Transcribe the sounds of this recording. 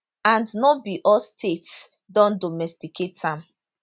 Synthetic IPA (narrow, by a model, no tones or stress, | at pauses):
ãndnɔbiʔɔlstʰets | dɔ̃ndɔmɛstikʰetãm